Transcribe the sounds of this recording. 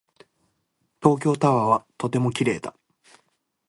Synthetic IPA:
t̪o̞ːk̬ʲo̞ːt̪aβaβ̞at̪o̞t̪e̞mo̞kʲiɾe̞ːt̪a

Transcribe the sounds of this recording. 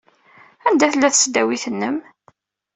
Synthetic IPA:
ænd̪æθlːæθsd̪æwiθənːəm

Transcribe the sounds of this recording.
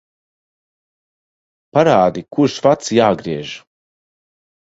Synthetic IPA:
paɾaːd̪ikuɾʃvat̪sjaːɡɾiɛʒ

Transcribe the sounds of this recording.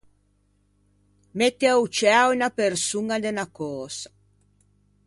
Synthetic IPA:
met̪ːeaut͡ʃɛawinapersuŋad̪enakɔːsḁ

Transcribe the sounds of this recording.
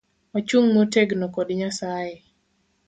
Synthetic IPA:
wat͡ʃuŋmoteɡnokodɲasaje

